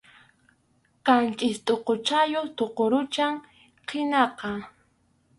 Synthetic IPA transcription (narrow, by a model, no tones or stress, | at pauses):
qɑnt͡ʃʼɪst̪ʼoqot͡ʃajoχt̪oqoɾʊt͡ʃaŋ | qʰɪnɑqɑ